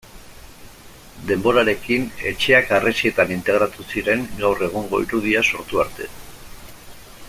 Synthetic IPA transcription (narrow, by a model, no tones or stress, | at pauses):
d̪e̞mbo̞ɾaɾe̞kine̞̰t͡ʃe̞akaresie̞t̪anint̪e̞ɣɾat̪usiɾe̞ŋɡawre̞ɣ̞oŋɡo̞ḭɾuðiaso̞ɾt̪uaɾt̪e̞̰